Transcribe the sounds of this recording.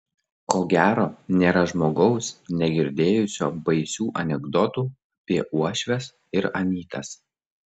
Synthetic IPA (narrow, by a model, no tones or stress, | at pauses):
koːɡʲæːɾoːnʲeːɾɐʒmoːɡɒʊsnʲɛɡʲɪɾʲd̪ʲeːjʊsʲoːbɐɪsʲuːʔɐnʲɛɡd̪ɔt̪uː | ɐpʲiɛʔuɔʃʲʋʲɛs | ɪɾɐmʲiːt̪ɐs